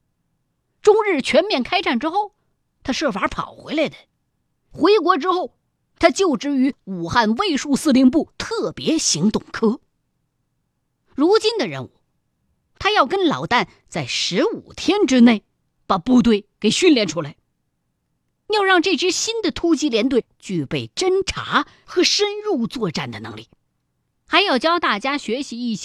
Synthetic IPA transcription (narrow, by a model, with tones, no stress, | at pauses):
ʈ͡ʂʊ˥ŋɻɻ̩˥˩t͡ɕʰɥɛ˧˥nmjɛ˥˩nkʰa˥ɪʈ͡ʂa˥˩nʈ͡ʂɻ̩˥xo˥˩ʊ | t̪ʰa˥ʂɤ˥˩fa˞˧˥pʰɑ̰˨˩ʊxwe˧˥ɪla˧˥ɪd̪ə˦ | xwe˧˥ɪkwɔ˧˥ʈ͡ʂɻ̩˥xo˥˩ʊ | t̪ʰa˥t͡ɕjo˥˩ʊʈ͡ʂɻ̩˧˥y˧˥u˨˩xa˥˧nwe˥˧ɪʂu˥˧sɹ̩˥˧li˧˥ŋp̬u˥˩t̪ʰɤ˥˩pjɛ˧˥ɕi˧˥ŋt̪ʊ˨˩ŋkʰɤ˥ | ɻu˧˥t͡ɕi˥nd̪ə˨ɻə̰˧˥nu˥˩ | t̪ʰa˥jɑ˥˩ʊkə˥nlɑ̰˨˩ʊt̪a˥˩n | t͡sa˥˩ɪʂɻ̩˧˥ṵ˨˩t̪ʰjɛ˥nʈ͡ʂɻ̩˥ne˥˩ɪ | pa˨˩pu˥˧t̪we˥˩ɪke˨˩ɪɕy˥˧nljɛ˥˧nʈ͡ʂʰu˥la˧˥ɪ | jɑ˥˧ʊɻɑ˥˧ŋʈ͡ʂɤ˥˩ʈ͡ʂɻ̩˥ɕi˥nd̪ə˨t̪ʰu˥t͡ɕi˧˥ljɛ˧˥nt̪we˥˩ɪt͡ɕy˥˧˩pe˥˩ɪʈ͡ʂə˥nʈ͡ʂʰa̰˧˥ | xɤ˧˥ʂə˥nɻu˥˧t͡swɔ˥˧ʈ͡ʂa˥˩nd̪ə˩nɤ̰˧˥ŋlḭ˥˩ | xa˧˥ɪjɑ˥˩ʊt͡ɕjɑ˥ʊt̪a˥˩t͡ɕja˥ɕɥɛ˧˥ɕi˧˥i˥˩ɕ